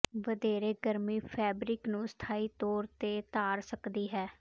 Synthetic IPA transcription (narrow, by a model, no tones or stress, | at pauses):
ʋəd̪eːɾeːɡəɾmiːpʰɛːbɾɪknũːst̪ʰaːiːt̪ɔːɾt̪eːt̪aːɾsəkd̪iːɦɛː